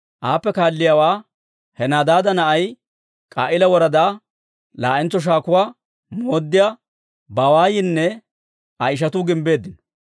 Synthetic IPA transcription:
ʔaːpːɛkaːlːɪjaːwaː | hɛnaːd̪aːd̪ɐnɐʔɐj | kʼa̰ːʔɪlɐwɔɾɐd̪aː | laːʔɪnt͡sːɔʃ̬aːkʊwaː | moːd̪ːɪja | baːwaːjɪnːɛ | ɐɪʃ̬ɐt̪ʊɡɪmbe̞ːd̪ːɪnɔ

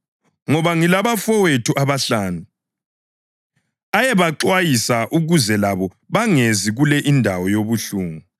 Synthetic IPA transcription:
ŋɔβaŋilaβafɔwetʰuʔaβaɬaːnu | ajɛβaǁwajisaʔuɣuzɛlaβɔ | βaŋeziɣulɛʔindʱawɔjoβuɬuːŋu

